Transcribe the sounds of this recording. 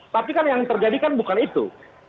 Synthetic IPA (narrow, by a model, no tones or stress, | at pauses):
t̪apikanjaŋt̪ərd͡ʒadikanbukanit̪ṵ